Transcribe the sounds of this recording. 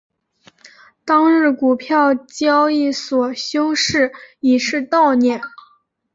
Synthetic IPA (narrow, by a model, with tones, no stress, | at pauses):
t̪ɑ˥ŋɻ̩˥˩ku˨˩pʰjɑ˥˩ʊt͡ɕjɑ˥ʊi˥˩swɔ˨˩ɕjʊ˥ʊʂɻ̩˥˩i˨˩ʂɻ̩˥˧t̪ɑ˥˧ʊnjɛ˥˩n